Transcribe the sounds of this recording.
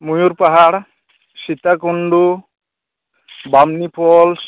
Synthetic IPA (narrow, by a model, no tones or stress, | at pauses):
mujuɾpaɦaɽ | sit̪akuɳɖu | bamnipʰɔls